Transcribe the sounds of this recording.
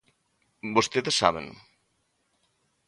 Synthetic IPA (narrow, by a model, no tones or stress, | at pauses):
bost̪eðesːa̰β̞ḛŋ